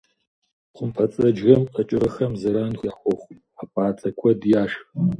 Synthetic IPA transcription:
qʷʊmpʰɐt͡sʼɐd͡ʒɣɐmqʼɐt͡ʃʼɪrɐxɐmzɐɾaːnxʷjaːχʷɔχʷʊj | aːpʼaːt͡sʰʼɐkʷʰɔdjaːʂx

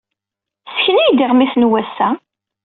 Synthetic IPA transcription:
sçənijd̪iʁmiθnwæsːæ

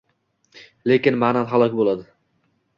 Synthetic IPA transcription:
le̞kʲɪnmananɦalˠɒkʲbolˠad̪ɪ

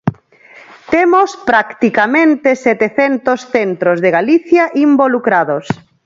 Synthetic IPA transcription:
t̪emospɾakt̪ikamẽnt̪esɛt̪eθent̪osθent̪ɾozðeɣaliθjaʔimbolukɾaðos

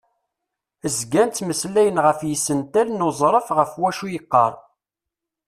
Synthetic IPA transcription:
əzɡænt̪məslæjənʁəfjəsːənt̪ælnozˤɾˤəfʁəfwæʃujəqːɑ̰ɾˤ

